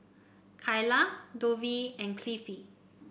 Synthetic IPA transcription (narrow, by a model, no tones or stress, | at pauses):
kʰajladoviɛ̃nkʰlifi